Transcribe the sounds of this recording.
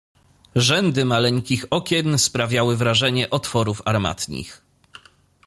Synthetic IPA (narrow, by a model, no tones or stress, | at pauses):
ʐɛnd̪ɘmalɛɲkʲixɔkʲɛnspɾavʲjawɘvɾaʐɛɲɛʔɔt̪fɔɾufaɾma̰t̪ɲḭx